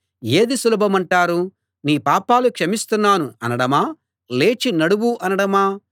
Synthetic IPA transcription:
e̞ːd̪isulɐbʱɐmɐɳʈaːɾu | niːpaːpaːlukʂɐmist̪unːaːnuɐnɐɽɐmaː | le̞ːt͡ʃinɐɽuwuʔɐnɐɽɐmaː

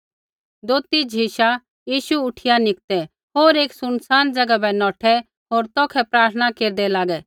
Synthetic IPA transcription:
d̪oːt̪id͡ʒʱiʃa | jiːʃuʊʈʰɪjanɪk̚t̪ɛ | ɦoːɾeːksʊnsaːnd͡ʒɐɡabɛnɔːʈʰɛ | ɦoːɾt̪ɔːkʰɛpɾaːɾt̪ʰənakeːɾd̪ɛlaːɡɛ

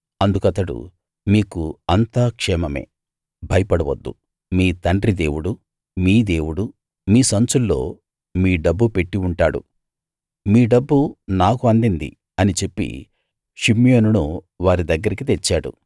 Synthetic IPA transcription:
ɐnd̪ukɐt̪ɐɽṵ | miːkuɐnt̪aːkʂɛːmɐmḛː | bʱɐjɐpɐɽɐʋɐ̰d̪ːṵ | miːt̪ɐɳɖrid̪e̞̰ːwuɽu | miːd̪eːwuɽu | miːsɐnt͡ʃulːo̞̰ː | miːɖɐbːupe̞ʈːiuɳʈaːɽṵ | miːɖɐbːunaːkuɐnd̪ind̪ḭ | ɐnit͡ʃe̞pːḭ | ʃimijoːnunu | ʋaːɾid̪ɐɡːɐɾikit̪et͡ʃːaːɽṵ

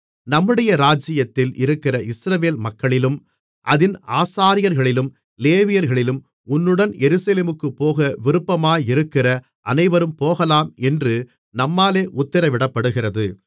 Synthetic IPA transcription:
nɐmːɯɽɐjɐɾaːd͡ʒɪjɐt̪ːɪlɪɾɯkːɪrɐʔɪsɾɐʋeːlmɐkːɐɭɪlɯm | ʔɐðɪnaːsaːɾɪjɐɾɣɐɭɪlɯm | leːʋɪjɐɾɣɐɭɪlɯm | ʊnːɯɽɐnjɛɾɯsɐleːmɯkːɯpːoːɣɐʋɪɾɯpːɐmaːjɪɾɯkːɪrɐ | ʔɐ̰nɐɪʋɐɾɯmpoːɣɐlaːmɛndrɯ | nɐmːaːleːʔʊt̪ːɐɾɐʋɪɽɐpːɐɽɯɣɪrɐðɯ

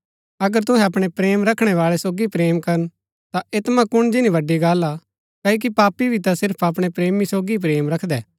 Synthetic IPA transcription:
ɐɡəɾt̪ʊɦɛ̃ɐpɽ̃epɾeːmɾɐkʰɽ̃ɛʋaːɭɛsoːɡipɾeːmkɐɾən | t̪aeːt̪mãkʊɽ̃d͡ʒɪniʋɐɖːiɡaːla | kaːok̬ipaːpːibʱit̪asɪɾpʰɐp̬ɽ̃epɾeːmisoːɡip̬ɾeːmɾɐkʰd̪ɛː

